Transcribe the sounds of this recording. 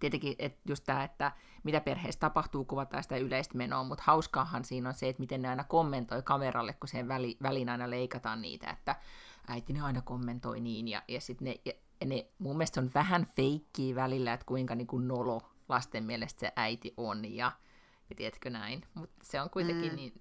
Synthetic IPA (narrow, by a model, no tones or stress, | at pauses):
t̪iet̪eŋkiʔet̪just̪t̪æːet̪ːæ | mit̪æperhḛːst̪ɑpɑht̪uːkuʋɑt̪ɑ̰ːsi̥t̪æyleist̪meno̰ːmut̪hɑuskɑːhɑnsiːnonseet̪mit̪enneɑinɑkomːent̪oikɑmerɑlːekkuseʋʋæliʋælinɑinɑleikɑt̪ɑːnnḭːt̪æ̰ḛt̪ːæʔæit̪ineɑinɑkomːent̪o̰iniːnjɑ̰jɑsit̪nejɑ | nemumːielest̪sonʋæhænfeikːiːʋælilːæet̪kuiŋkɑniːŋkunnolo | lɑst̪emmiɛlest̪sḛʔæit̪iʔonjɑ | jɑt̪iet̪kønæinmut̪seoŋkuit̪eŋkinniːn